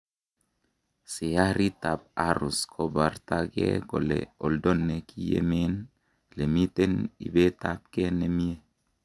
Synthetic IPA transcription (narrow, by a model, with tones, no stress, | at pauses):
si˨ja˦ɾi˦ta˨p̚a˦ɾu˨skʰo˨ba˨ɾta˦ɡɛ̰˦ɡɔ˨lɛ̰˨ɔ˨ldo˦nːe˨ki˦jḛ˦me˦n | le˨mi˦te˦nḭ˨be˦ta˦p̚kɛ˦ne˨mi˦e˦